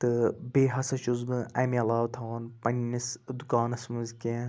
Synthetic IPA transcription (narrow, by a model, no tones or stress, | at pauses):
t̪ɨbeːɦɐsɐʃuzbɨʔɐmiɐlaːʋt̪ʰɐwɐnpɐnːisd̪ukaːnɐsmuzkʲẽ